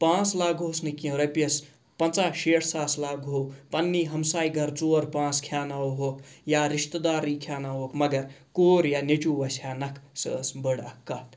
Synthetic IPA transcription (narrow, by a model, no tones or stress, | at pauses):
pãːt͡slaːɡɦoːsnikiɐ̃ɾɐpɐs | pɐnt͡saːʃeːʈʰsaːslaːɡɦopɐnːiːɦɐmsaːiɡʱɐɾt͡soːɾpãːt͡skʰjaːnawɦoːkjaːɾiʃt̪d̪aːɾːiːkʰjaːnaɦoːkmɐɡɐɾkoːɾjaːnet͡ʃuːʋɐsaːnɐkʰsəsbəɽɐ̰kːɐt̪